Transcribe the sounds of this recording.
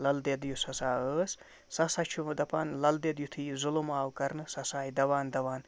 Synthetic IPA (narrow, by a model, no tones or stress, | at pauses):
lɐld̪ed̪jusɐsaːəːs | sɐsat͡ʃʰumɐd̪ɐpanlɐld̪ed̪jut̪ʰiːzulomaːwkɐɾnɨsɐsaːjd̪ɐʋaːnd̪ɐʋaːn